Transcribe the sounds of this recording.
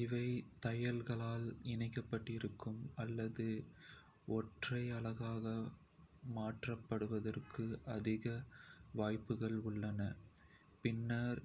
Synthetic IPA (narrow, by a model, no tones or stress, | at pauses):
ɪʋɐɪt̪ɐjɐlɣɐɭaːlɪnɐɪkːɐpːɐʈːɪɾɯkːɯmɐlːɐðɯ | ɔʈrɐɪɐɭɐɣaːɣɐ | maːʈrɐpːɐɽɯʋɐðɐrkʰɯɐðɪɣɐʋaːjpːɯɣɐɭʊɭːɐnɐ | pɪnːɐɾ